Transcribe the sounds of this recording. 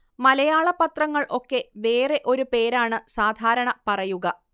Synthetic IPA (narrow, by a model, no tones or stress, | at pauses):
mɐlɐjaːɭɐpːɐt̪rɐŋːɐɭʔo̞kːe̞ʋe̞ːre̞ʔo̞ɾupe̞ːɾaːɳɨsaːd̪ʱaːɾɐɳɐpɐrɐjuɣɐ